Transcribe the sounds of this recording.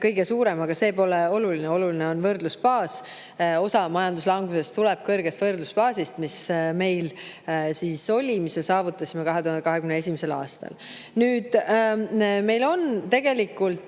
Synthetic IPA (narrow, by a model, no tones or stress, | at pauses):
kɤjɡe̞suːɾe̞mɑɡ̥ɑse̞ːpo̞leo̞lulineo̞lulineo̞nvɤrd̪luspɑːs | o̞sɑmɑjɑnd̪uslɑŋɡuse̞st̪ulɛb̥̚kɤrɡ̥est̪vɤrd̪luspɑːsist̪misme̞jl | siːso̞lʲimisme̞sɑːvut̪ːˑɑsʲime̞kɑɦet̪uhɑnkɑɦe̞kymneesʲimese̞lɑ̰ːst̪ɑ̰l | nyːd̪̥ | me̞jlo̞nt̪e̞ɡ̥e̞likːˑult̪